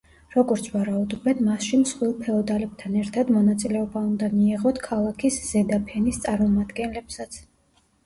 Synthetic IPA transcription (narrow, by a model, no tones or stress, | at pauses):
ɾɔɡɔɾt̪sʰvaɾaud̪ɔbɛnmasʃimsχwilˠpʰɛɔd̪alɛb̚t̪ʰanɛɾt̪ʰad̪mɔnat̪sʼilɛɔbaund̪amiɛʁɔt̪ʰkʰalˠakʰisz̥ɛd̪apʰɛnist̪sʼaɾmɔmad̪ɡɛnlɛbsat̪sʰ